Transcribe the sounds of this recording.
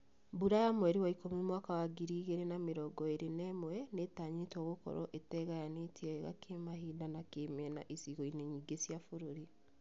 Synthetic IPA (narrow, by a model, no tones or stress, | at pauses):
buɾajamwɛɾiwaikomimwakawaɡiɾiːɣeɾenameɾɔɡɔeɾenɛmwɛnetaːɲetɔɣokɔ̰ɾɔ̰ʔetɛɣajanetʰiɛɣa̰kʰemahiːdanakemeɛna̰ʔesiɣɔineɲiːɡesjafoɾoɾi